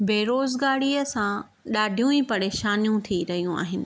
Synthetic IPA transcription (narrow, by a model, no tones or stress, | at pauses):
beːɾoːzɡaːɽiːəsã | ɗaːɖʱijũipɐɽeːʃaːnijũt̪ʰiɾɐɦijũa̰ːɦɪnɪ̆